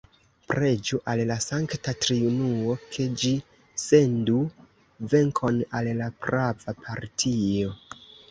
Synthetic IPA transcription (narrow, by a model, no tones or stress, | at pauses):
pɾʔe̞d͡ʒuʔallasaŋktatɾiunuo̞kʰe̞d͡ʒi | se̞ndu | ve̞ŋkʰo̞nallapɾavapʰaɾtʰio̞